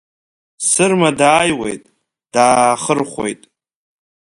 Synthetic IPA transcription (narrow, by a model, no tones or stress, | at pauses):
sɨrmadaːjwe̞̰jtʼ | d̥aːχərχʷo̞̰jtʼ